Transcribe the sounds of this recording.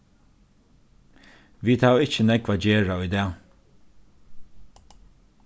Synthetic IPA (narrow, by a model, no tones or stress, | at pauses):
ʋiːd̪haːvɪt͡ʃənɛkvaːd͡ʒeːɹaʊjd̪ɛː